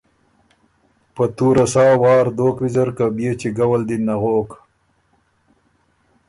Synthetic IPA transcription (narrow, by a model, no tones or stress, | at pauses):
pət̪uɾasɑːwɑːɾd̪oːkwizaɾkabjet͡ʃiɡawald̪inaɣoːk